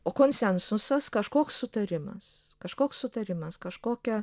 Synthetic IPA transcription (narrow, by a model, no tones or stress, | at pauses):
oːkoːnʲsʲɛnsʊsɐskɐʃkoːkssʊt̪ɐɾʲɪmɐ̰skɐʃkoːkssʊt̪ɐɾʲɪmɐskɐʃkoːkʲɛ